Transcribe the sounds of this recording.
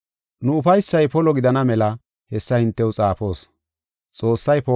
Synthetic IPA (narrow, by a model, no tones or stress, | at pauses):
nʊʊfɐjsːɐjpɔlɔɡɪd̪ɐnɐmɛlɐ | hɛsːɐhɪnt̪ːɛwt͡sʼaːpo̞ːs | t͡sʼo̞ːsːɐjpɔ